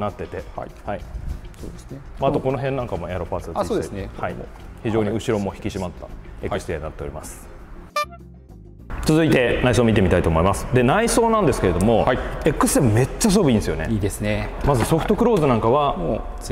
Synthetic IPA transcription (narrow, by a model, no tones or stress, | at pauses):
nat̪ːe̞t̪e̞haisoːd̪esnemaat̪o̞ko̞no̞ɦẽnːãŋkamo̞eaɾo̞paːt͡sɨaioesnehaḭçiʑo̞ːɲ̟iɯ̟ɕiɾo̞mo̞çi̥kʲiɕimat̪ːa̰ekkɯ̟sɨ̥t̪enat̪ːe̞oɾʲḭmasɨ̥ | t͡sɨzɨit̪e̞naisoːmʲit̪e̞mit̪ait̪oːmo̞imasɨ̥d̪e̞naiso̞ːnãnd̪esɨ̥ke̞ɾe̞d̪o̞mo̞ae̞kːɯ̥sɨ̥t̪emome̞t͡ɕːaas̬o̞bɯ̟ĩnd̪esɨjone̞̰iːd̪esɨne | mazɨso̞ɸɯ̟̥t̪o̞kɯ̟ɾo̞ːzɨnãŋkaβamo